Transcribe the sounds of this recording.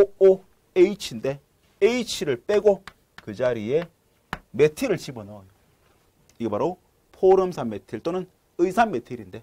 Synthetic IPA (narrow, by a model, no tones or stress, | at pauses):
oo | eit͡ɕʰinde̞ | eit͡ɕʰiɾɯɭp͈e̞ɡo | kɯd͡ʑaɾie̞ | me̞tʰiɾɯɭt͡ɕibɯnojo | iɡebaɾo | pʰoɾɯmsʰanme̞tʰiɭt͈onɯn | ɯjsʰanme̞tʰiɾinde̞